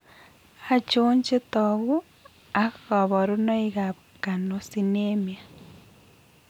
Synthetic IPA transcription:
a˨t͡ʃuː˦ɲd͡ʒe˦toɣu˦ | a˨ɣo˨βo˨ɾu˦no˦iɣaβ | ka˨no˨sinemja˨

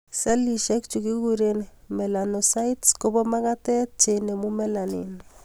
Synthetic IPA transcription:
se˦li˨ʃe˦k̚t͡ʃu˨ki˦ɡu˦ɾe˨nmɛ˨la˨no˨sa˦jtsko˦bɔ˦ma˦ka˦te˦t̚t͡ʃe˨ne˨mu˦mɛ˦la˨nḭ˨n

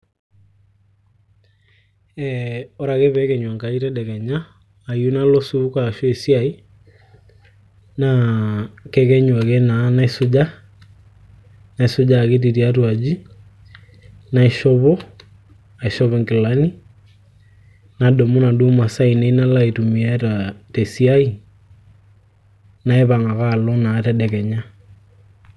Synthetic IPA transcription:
ɛɔ˦ɾakɛβɛkɛ˨ɲwa˨ŋka˨i˦tɛdɛ˨kɛ˨ɲaː˦˨ | ju˦na˦lɔ˦su˦ka˨ʃɔ˦e˨sjai˦ | na | kɛkɛ˦ɲwa˨kɛ˦na˨˦na˦e˦su˦d͡ʒa˦ | na˨i˨su˦d͡ʒa˨ke˦t̬i˨ti˨a˦twa˨d͡ʒi˦ | na˨i˨ʃɔβɔ˦ | a˨i˨ʃɔβɔŋki˨la˦ni˦ | na˨dɔ˨mu˦na˨du˦ma˨sa˦i˨ne˨˦na˦laitumi˨a˦tatɛsi˦ai˦ | na˦ɛ˦βa˨ŋa˨ka˨lɔ˦naː˨tɛ˦ɗɛ˨kɛ˨ɲa˦

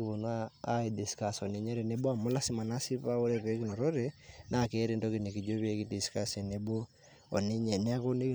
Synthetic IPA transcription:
i˦βo˨nwaː˦i˨di˨ska˨sɔ˨ne˦ɲɛ˦ɾe˨ne˦bo˦a˨mo˦la˦si˦ma˨na˦si˦βa˦o˦ɾɛ˦βe˦ki˨nɔ˨ɾɔ˦ɾe˨na˦˨ke˦ɾe˦ndɔ˦ki˨ne˨ki˨d͡ʒo˦βe˦ki˦di˨ska˦se˨ne˨bo˦ | ɔ˨ne˦ɲɛ˨ne˦a˦ko˦ne˦ki˦

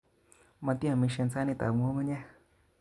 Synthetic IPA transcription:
mã˧t̪i˦ã˨mĩ˧ʃɛ˧n˦t͡sa˦nĩ˧t̪a̰˨ŋʷo˦mə˦ɲɛ˦

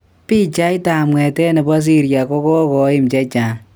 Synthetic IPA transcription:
pi˦t͡ʃa˦jta˨mwɛ˨tɛ˦ne˨ba˦s̬i˦ɾja˨kɔ˦kɔ˦kɔ˨˦ɪ˦mt͡ʃɛ˦t͡ʃa˨

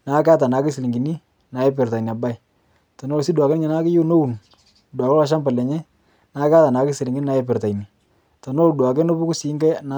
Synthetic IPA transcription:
na˨˦ka˦ta˨na˨˦kɪ˦sɪ˨li˨ŋɡi˨ni˦ | na˨jɛ˦p̬ɪ˨rta˨i˨ni˨a˨ba˦j | ta˨no˦si˦dwa˨kɛ˦nɲɛ˨na˦kɪ˦ju˦no˦u˨n | dwa˨kɛ˦la˨˦ʃ̬a˦mba˨lɛ˨ɲɛ˦ | na˦ka˦ta˨na˨˦kɪ˦si˨li˨ŋɡi˦a˨˦jɛ˦pɪ˨rta˨jni˨ | ta˨no˦˨dwa˨kɛ˦no˦bu˦ku˦si˨˦ŋɡɛ˦na˦

